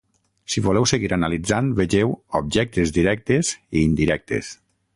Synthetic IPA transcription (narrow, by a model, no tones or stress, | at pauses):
siβolɛwseɣiɾanalid͡zanβeʒewob̚ʒɛk̚t̪ezd̪iɾɛk̚t̪eziːnd̪iɾɛk̚t̪ḛs